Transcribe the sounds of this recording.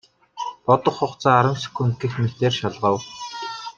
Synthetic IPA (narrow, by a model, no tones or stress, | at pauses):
pɔt̪ɞ̆χʊχt͡saːɾə̆msɵ̥kuŋkĭxmet̪eːrʃaɮʁə̆w